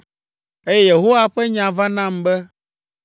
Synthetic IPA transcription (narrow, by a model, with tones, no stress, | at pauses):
e˦jɛ˦je˨ɦo˦wa˨ɸɛ˦ɲã˨va˦nã˦mbɛ˦